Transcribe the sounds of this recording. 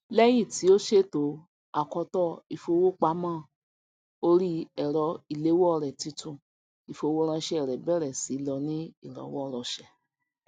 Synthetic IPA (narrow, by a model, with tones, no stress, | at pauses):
lɛ˦j̃ĩ˦˨ti˨˦o˦ʃe˦˨to˨˦ | a˨kɔ˧tɔ˦i˨fo˧wo˦k͡pa˦mãː˦˨ | o˧ɾi˦ɛ˨ɾɔ˧i˨le˨˦wo˦ɔ˦˧ɾɛ˨ti˨˧tũ˨ | i˨fo˧wo˦ɾ̃ã˧ʃɛ˦ɛ˦˨ɾɛ˨bɛ˦˨ɾɛ˨si˨˦lɔ˧nĩ˦i˦˨ɾɔ̰˨˦wɔ˦˧ɾɔ˧ʃɛ˨